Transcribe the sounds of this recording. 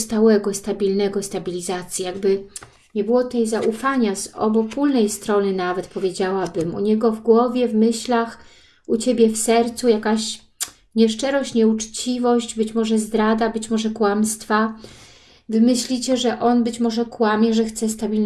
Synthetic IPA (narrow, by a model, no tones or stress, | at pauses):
st̪awɛɡɔst̪abʲilnɛɡɔst̪abʲilʲizat̪sʲjijaɡ̚bɘ | ɲɛbɘwɔt̪ɛjzaʔufaɲazɔ̰bɔpulnɛjst̪ɾɔnɘnavɛt̪pɔvʲjed͡ʑawabɘmṵɲɛɡɔvɡwɔvʲjɛvmɘɕlax | ut͡ɕebʲjɛfsɛɾt̪sujakaɕ | ɲɛʂt͡ʂɛɾɔɕt͡ɕɲɛut͡ʂt͡ɕivɔɕd͡ʑbɘt͡ɕmɔʐɛzd̪ɾad̪abɘt͡ɕmɔʐɛkwamst̪fa | vɘmɘɕlʲit͡ɕɛʐɛʔɔnbɘt͡ɕmɔʐɛkwamʲjɛʐɛxt̪sɛst̪abʲiln